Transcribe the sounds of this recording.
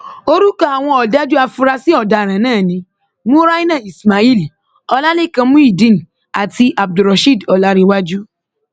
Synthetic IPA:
o˦ɾu˦ka˦a˨w̃ɔ̃˧ɔ˨da˦d͡ʒu˦a˧fu˧ɾa˧si˦ɔ˦˨da˨ɾ̃ã˨nãː˦˨nĩ˧˦ | mũ˦ɾa˦i˦nã˦˨i˨sma˨i˦˨li˨ | ɔ˧la˦le˦˨kã˧mũ˦i˦˨dĩ˦˨n̩˨ | a˨ti˧ʔa˨b̚du˨ɾɔ˨ʃi˦˨dɔ˨la˦ɾi˧wa˦d͡ʒu˦

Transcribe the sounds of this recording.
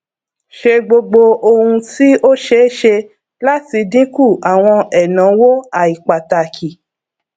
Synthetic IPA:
ʃe˧ɡ͡bo˧ɡ͡bo˧o˧hũ˧ti˦o˦ʃe˦ʃe˧ | la˦ti˧dĩ˦ku˦˨a˨w̃ɔ̃˧ɛ˨nã˨˦wo˦a˨i˨k͡pa˨ta˨kʰi˨

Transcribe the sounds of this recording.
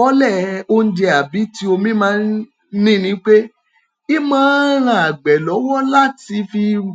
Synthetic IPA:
ɔ˦lɛ˦˨o˧n̩˦d͡ʒɛ˧a˨bi˨˦ti˦o˧mĩ˦mãː˦n˦ | nĩ˦nĩ˨˦k͡pe˦ | i˦mãː˦ɾ̃ã˨a˨ɡ͡bɛ˨lɔ˨˦wɔ˦la˦ti˧fi˧

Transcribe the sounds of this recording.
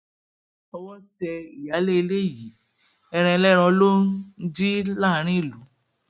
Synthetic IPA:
ɔ˧wɔ˦tɛ˧i˨ja˨˦le˦i˧le˦˨ji˨˦ | ɛ˧ɾ̃ɛ̃˧lɛ˦ɾ̃ɔ̃˧lo˦d͡ʒi˦la˦˨˦ɾ̃ĩ˦i˦˨lu˨˦

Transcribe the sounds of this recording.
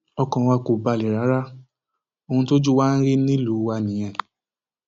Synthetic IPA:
ɔ˧kɔ̃˨wa˧ko˨ba˧˨li˨ɾa˨˦ɾa˦ | o˧hũ˧to˦d͡ʒu˦waː˦n̩˦ɾi˦nĩ˦lu˨˦wa˧nĩ˨j̃ɛ̃˨

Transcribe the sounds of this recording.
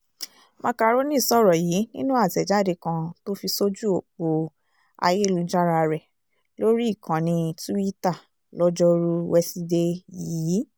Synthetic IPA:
mã˧ka˧ɾo˦nĩ˦˨sɔ˦˨ɾɔ˨ji˨˦nĩ˦nũ˦a˦˨zɛ˨d͡ʒa˦˨de˧kã˧to˦fi˧so˦d͡ʒu˦o˨k͡po˧ | a̰˧je˦˨lu˧d͡ʒa˦ɾa˧ɾɛ˨ | lo˦ɾi˦˨kã˨nĩ˧tu˦wi˦ta˦˨ | lɔ˦d͡ʒɔ˧ɾu˦wɛ˧si˧de˦jiː˦˨˦

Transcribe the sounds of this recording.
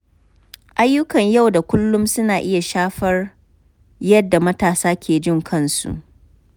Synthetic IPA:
ʔa˦jːʊ˦kɐ˨ɲja˦˨wda˨kʷʊ˦lːʊ˦msʊ˦naː˨ʔɪ˦ja˨ʃaː˦ɸɐ˦r | jɐ˦dːa˨mɐ˦taː˨saː˦kʲʰeː˨d͡ʒɪ˦˨ŋkʰɐ˦˨nsṵ˨ʔ

